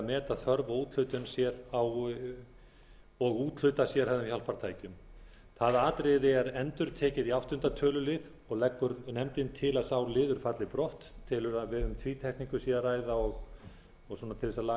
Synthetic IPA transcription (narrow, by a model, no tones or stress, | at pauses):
mɛːt̪aðθœɾvauːt̪l̥ʏɥt̪ʏnsjɛɾaw | ɔɣuːt̪l̥ʏt̪asjɛɾ̥hɛvðʏɪmçawl̥pʰaɾ̥t̪ʰaːjcʏm | θaðaːt̪ɾɪðɪɛɾɛnt̪ʏɾ̥t̪ʰɛːcɪðiafht̪ʏnt̪at̪ʰœːlʏlɪð | ɔɣlɛkːʏɾnɛmt̪ɪnt̪ʰɪlaðsawlɪːðʏɾ̥fat̪lɪpɾɔht̪ʰːɪlʏɾaðvɛːɾʏmt̪ʰviːt̪ʰɛhkniŋkʏsiɛaraːjðaɔɣ | ɔɣsɔnat̪ʰɪlðɛsala